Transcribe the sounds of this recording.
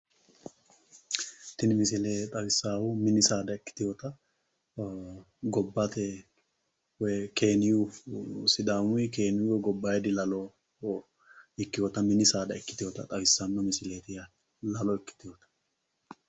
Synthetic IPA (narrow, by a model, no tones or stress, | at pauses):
t̪ɪnɪmɪsɪlet̪ʼɐwɪsːaːwʊmɪnɪsaːd̪ɐɪkːɪ̥t̪ɪjɔt̪ɐ | ɡɔbːat̪ɛ | wɛke̞ːnɪjusɪd̪aːmʊjkeːnɪjuwɛɡɔbːaːjɛd̪ɪlɐlɔ | ɪkːɪjɔt̪ɐmɪnɪsaːd̪ɐɪkːɪt̪ɪjɔt̪ɐ̰t̪ʼɐwɪsːanːɐmɪsɪleːt̪ɪjɐ | lɐlɔɪkːɪ̥t̪ɪjɔt̪ɐ̥